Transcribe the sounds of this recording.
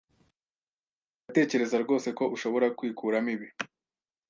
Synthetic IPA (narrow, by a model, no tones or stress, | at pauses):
ɡate̞ːce̞ɾe̞zaɾɡo̞ːse̞ko̞ʔuʃo̞βo̞ɾakwiːkʰuːɾamiβi